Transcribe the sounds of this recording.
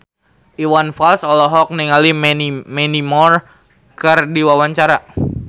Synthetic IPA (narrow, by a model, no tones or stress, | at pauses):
iwanfalsɔlɔɦɔk̚niŋalimmɛnimɔr | kɨrdiwawaɲt͡ʃaɾa